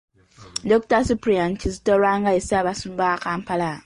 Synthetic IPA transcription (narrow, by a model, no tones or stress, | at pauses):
doktasupɾijant͡ʃizitolwaːŋɡaesiaβasuːmbakaːmpala